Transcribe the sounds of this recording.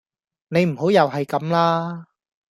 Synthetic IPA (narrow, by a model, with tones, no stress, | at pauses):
ne˨˧jm̩˨˩ho˨˥wjɐ˨wɦɐ˨jkɐ˨˥mlaː˥